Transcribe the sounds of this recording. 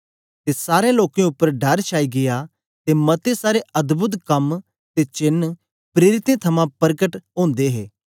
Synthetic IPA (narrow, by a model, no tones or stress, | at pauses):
t̪esaːɾẽloːkẽʊpːəɾɖɐɾt͡ʃʰaːiɡɪja | t̪emɐt̪esaːɾeʔɐd̪bʊt̪̬kɐm | t̪et͡ʃɪn | pɾeːɾɪt̪ẽt̪ʰɐmãpɐɾɡəʈɦõːnd̪eɦḛː